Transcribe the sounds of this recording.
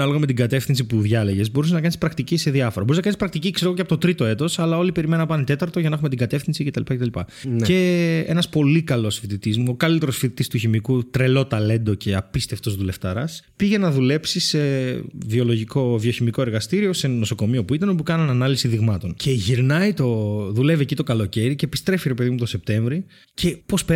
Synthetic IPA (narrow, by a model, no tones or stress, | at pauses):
ɐlo̞ɣɐme̞t̪̬iɡɐt̪e̞fθinsipuðʝɐle̞ʝe̞zbo̞ɾuseznɐkɐnispɾɐkt̪iciseðiɐfoɾɐbo̞ɾiznɐkɐnispɾɐk̚t̪icikseoɣoceɐpot̪ot̪ɾit̪o̞e̞t̪o̞sɐlɐo̞lipe̞ɾimenunɐpɐnet̪e̞t̪ɐɾt̪oʝɐnɐxume̞t̪iŋɡɐt̪e̞fθinsice̞t̪ɐlipɐcet̪ɐlipɐe̞e̞nɐspo̞likɐlo̞sfit̪it̪izmuokɐlit̪e̞ɾo̞sfit̪it̪ist̪uçimikut̪ɾe̞lo̞t̪ɐle̞nd̪o̞cʰe̞ɐpist̪e̞ft̪o̞zðule̞ft̪ɐɾɐspiʝe̞nɐðule̞psise̞vio̞lo̞ʝiko̞vio̞çimiko̞e̞ɾɣɐst̪iɾio̞se̞no̞so̞ko̞mio̞puit̪ɐnopukɐnɐnɐnɐlisiðiɣmɐt̪o̞ncʰe̞ʝiɾnɐjt̪o̞ðule̞viecit̪o̞kɐlo̞ce̞ɾice̞pist̪ɾe̞fiɾe̞pe̞ðimut̪ose̞p̚t̪e̞ɱvɾi | cʰe̞po̞spe